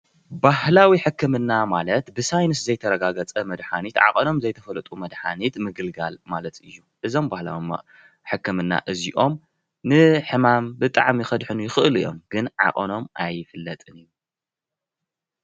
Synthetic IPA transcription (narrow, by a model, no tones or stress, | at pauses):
bahlawiħɨkʰːɨmɨnːamalɐt̪bɨsajnɨszɐjt̪ʰɐɾɐɡaɡɐt͡sʼɐmɐd̪ħanit̪ʕa̰qʼɐno̞mzɐjt̪ʰɐfɐlɐt̪ʼumɐd̪ħa̰nit̪mɨɡɨlɡa̰lmalɐt̪ɨjːuʔɨzo̞mbahla̰w | ħɨkːɨmɨnːa̰ʔɨziʔo̞m | nɨħɨmambɨt̪ʼaʕmixɐd̪ħɨnujɪxɨʔɨlɨjo̞̰mɡ̥ɨnʕa̰qʼɐno̞mʔajfɨlːɐt̪ʼɨnɨjːu